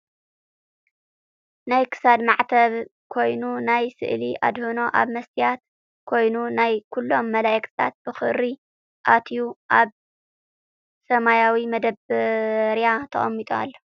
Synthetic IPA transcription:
najkʰɨ̥sad̪maʕt̪ʰɐβ | kʰo̞jnunajsɨ̰ʔliʔa̰d̪hɨno̞ʔa̰βmɐst̪ʰijat̪ | kʰo̞jnunajkʰulːo̞mːɐlajɛkt̪ʰɨ̥t̪ʰa̰t̪̚b̥ɨxɨ̰ɾi | ʔat̪ʰjuʔaβ | sɐmajawimɐd̪ɐb | ɾjat̪ʰɐ̰χʼɐ̰mːit̪ʼoa̰lːo

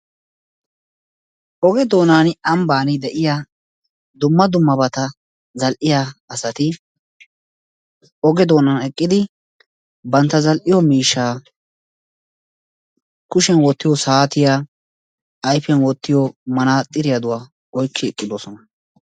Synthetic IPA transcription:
ʔɔɡɛd̪o̞ːnaːnɐmbaːnɪd̪ɛʔɪjaː | d̪ʊmːɐd̪ʊmːɐbɐt̪ɐ | zɐlʔɪjaːɐsɐt̪ɪ | ʔɔɡɛd̪o̞ːnaːnɛkʼːɪd̪ɪ | bɐnt̪ːɐzɐlʔɪjɔmiːʃːaː | kʊʃɛnwɔt̪ːɪjɔsaːt̪ɪjaː | ɐjfɛnwɔt̪ːɪjɔmɐnaːt̪ʼːɪɾɪjad̪ʊwaː | ɔjkʰːɪɛkʼːɪd̪o̞ːsɔnɐ

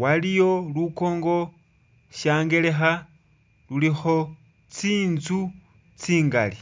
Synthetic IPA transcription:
walijo̞luko̞ːŋɡo̞ | ʃaːŋɡe̞le̞xa | lulixo̞ | t͡siːnzu | t͡siːŋɡali

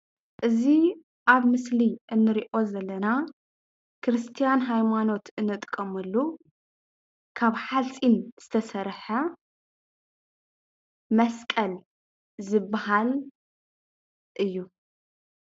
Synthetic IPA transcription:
ʔɨzi | ʔaβmɨsliʔɨnːɨɾiʔo̞zɐlːɐna | kʰɨɾɨst̪ʰijanɦajmano̞t̪ʰɨnːɨt̪ʼkʼːɐmɐlːu | kʰaβħalsʼinz̥ɨt̪ʰɐsɐɾħɐ | mɐskʼɐl | zɨbːaɦal | ʔɨjːu

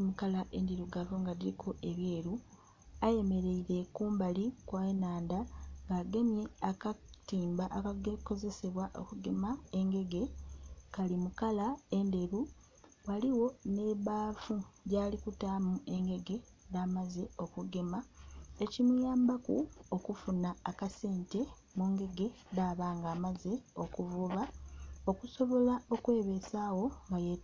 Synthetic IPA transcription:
imukalaʔe̞nde̞ɾuɡavoŋɡadiɾikʰoeβje̞ːɾu | aje̞me̞ɾe̞iɾe̞kuːmbalikwaenaːndaŋɡaːɡe̞mje̞akatiːmbaʔːkaɡeko̞ze̞se̞βwaʔo̞̰kuɡe̞mae̞ŋɡe̞ɡe̞kalimukalae̞nde̞ɾu | waliwo̞ne̞βaːfuɟaːlikutaːmue̞ŋɡe̞ɡe̞ | ðaːmazeo̞kuɡe̞mae̞cimujaːmbakṵo̞kufunaːkase̞ːnte̞ | muːŋɡe̞ɡe̞ | daːβaːŋɡaːmaze̞o̞kuvuːβao̞kuso̞βo̞lao̞kwe̞ːβe̞saːwo̞ŋɡaje

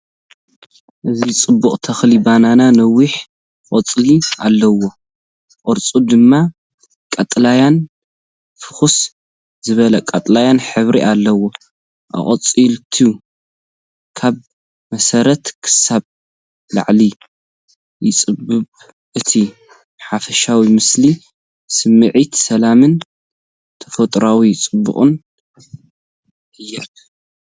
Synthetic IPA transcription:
ʔɨzit͡sʼɨbːuχʼt̪ʰɐxlibanananɐwiħ | ʔʼɔt͡sʼlia̰lːɐwo̞ | ʔʼɔɾt͡sʼud̪ɨmːa | kʼɐt̪ʼlajan | fɨ̥xus | zɨβɐlɐkʼɐt̪ʼlajanħɨβɾiʔalːɐwo | ʔɐ̰χʼɐt͡sʼilt̪ʰiu | kʰaβ | mɐsɐɾɐt̪kʰɨ̥saβ | la̰ʕli | jɪt͡sʼɨbːɨβ | ʔɨt̪ʰi | ħafɐʃawimɨsli | sɨmːɨʕit̪sɐlamɨn | t̪ʰɐfɐt̪ʼɾawit͡sʼɨbːɨ̰χʼɨ̰n | ʔɨjːɐk

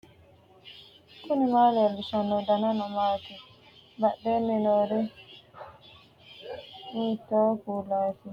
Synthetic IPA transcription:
kunimalɛlusanɔdananɔmati | baɗɛnɛnɔɾɛ | mitɔkulati

